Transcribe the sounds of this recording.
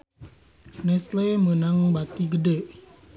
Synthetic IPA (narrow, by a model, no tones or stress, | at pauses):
nɛslemənaŋbat̪iɡədeʔ